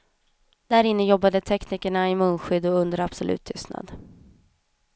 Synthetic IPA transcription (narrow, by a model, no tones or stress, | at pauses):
d̪̥æɾɪnːəjɔbːad̪ət̪ʰɛkniːkəɳaɪmɵːnɧʏd̪ːɔɵnd̪əɾab̥sɔlʉ̟̰ːt̪ʰːʏst̪na̰d̪